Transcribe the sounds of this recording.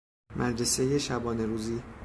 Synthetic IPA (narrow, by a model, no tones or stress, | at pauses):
mʔæd̪ɾese̞je̞ʃæbɒːne̞ɾuːziː